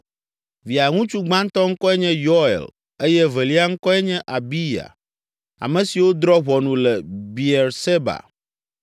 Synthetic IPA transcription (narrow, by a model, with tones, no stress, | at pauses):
vi˨a˨ŋũ˦t͡ʃu˦ɡ͡bã˦n˦t̪ɔ˦ŋ̩˦kɔ˦ɛ˦ɲɛ̃˦jɔ˦ɛ̰˨l | e˦jɛ˦vɛ˨li˦a˦ŋ̩˦kɔ˦ɛ˦ɲɛ̃˦ʔa˨bi˦ja̰˨ | a̰˨mɛ̃˨si˨wo˦d̪ɾɔ˦βɔ˨nũ˨lɛ˨bi˨ɛ˨ɾse˦ba̰˨